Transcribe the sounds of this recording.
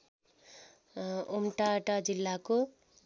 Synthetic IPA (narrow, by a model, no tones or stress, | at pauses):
omʈaʈad͡zilːako